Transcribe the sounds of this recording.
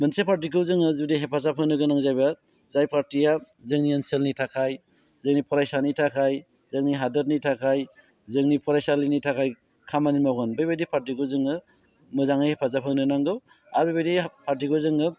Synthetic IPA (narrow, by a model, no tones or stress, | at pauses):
mɯnsepʰaɾt̬ikɯwzɯŋɯzudiɦepʰas̬apʰɯŋnɯɡɯnaŋzajba | zajpʰaɾtija | zɯŋnienselnitʰakʰaj | zɯŋnipʰɔɾajsanitʰakʰaj | zɯŋniɦadɯdnitʰakʰaj | zɯŋnipʰɔɾajsalinitʰakʰaj | kʰamanimawɡɯnbajbajdipʰaɾtikɯwzɯŋɯ | mɯzaŋijhepʰas̬apʰɯŋnɯɡnaŋɡɯw | abajbajdipʰaɾt̬ikɯzɯŋɯ